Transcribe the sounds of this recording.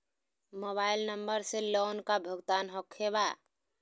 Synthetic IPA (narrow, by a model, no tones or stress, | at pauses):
mobailnəmbəɾselonkabʱəɡt̪anɦɔkʰːeba